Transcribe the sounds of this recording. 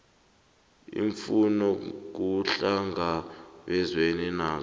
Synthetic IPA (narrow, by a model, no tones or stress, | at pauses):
ḭɱfunɔk̬uɬaŋaɓɛzweninaːz